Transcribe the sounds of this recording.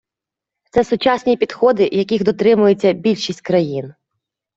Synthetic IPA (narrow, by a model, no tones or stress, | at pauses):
t̪sɛsʊt͡ʃɑsʲnʲipʲid̪xɔd̪ɪjɐkʲixd̪ɔt̪ɾɪmʊjet͡sʲːɐbʲilʲʃisʲtʲkɾɐjin